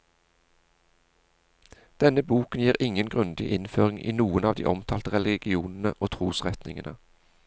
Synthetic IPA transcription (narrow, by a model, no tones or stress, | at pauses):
d̪̥ɛnəbuːkənjiːʁɪŋənɡʁʉnd̪ɪʔɪnføːʁɪŋʔḭːnuːənɑːʋd̪ḭːʔɔmt̪ʰɑːlt̪əʁɛlɪɡɪuːnn̩ə̰ʔoːt̪ʰʁuːsʁɛt̪nɪ̰ŋənʔə